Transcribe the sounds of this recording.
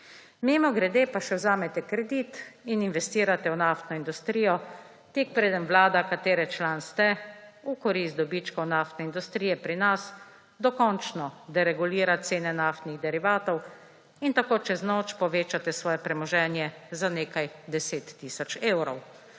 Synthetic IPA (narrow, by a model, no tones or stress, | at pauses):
meːmɔɡɾɛd̪eːpaʃɛwzaːmɛt̪ɛkɾɛd̪iːt̪ininʋɛst̪iːɾat̪ɛwnaːft̪nɔind̪ust̪ɾiːjɔ | t̪eːk̚pɾeːd̪ənʋlaːd̪akat̪eːɾɛt͡ʃlaːnst̪ɛukɔɾist̪d̪ɔbiːt͡ʃkɔwnaːft̪nɛind̪ust̪ɾiːjɛpɾinas | d̪ɔkɔnt͡ʃnɔd̪ɛɾɛɡuliːɾat̪seːnɛnaːft̪niɣd̪ɛɾiʋaːt̪ɔw | int̪akoːt͡ʃɛznoːt͡ʃpɔʋeːt͡ʃat̪ɛsʋɔːjɛpɾɛmɔʒɛːnjɛzaneːkajd̪ɛseːt̪ːiːsɔt͡ʃeːwɾɔw